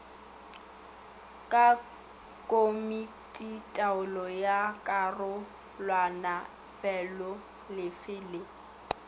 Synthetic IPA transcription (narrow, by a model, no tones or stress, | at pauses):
kʼa | kʼomitʼitʼaʊlɔjakʼarʊ | lwana | fɛlɔ | lɪfɪːlɪ